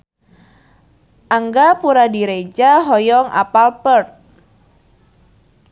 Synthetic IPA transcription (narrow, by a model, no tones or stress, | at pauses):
ʔaŋɡapuɾadiɾed͡ʒaɦɔjɔŋʔa̰palpərt̪̚